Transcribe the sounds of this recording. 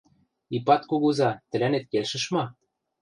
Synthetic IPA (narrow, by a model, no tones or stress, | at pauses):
ipɑt̪kuɣuzɑt̪ɘ̆lænet̪̚kelʃɘ̆ʃmɑ